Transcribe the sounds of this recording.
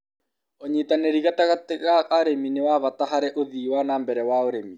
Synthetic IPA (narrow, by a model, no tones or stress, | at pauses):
oɲitaneɾiɣataɣateɾaaɾeminewaβat̪aɦaɾɛʔoðiwanambɛɾɛwaoɾemi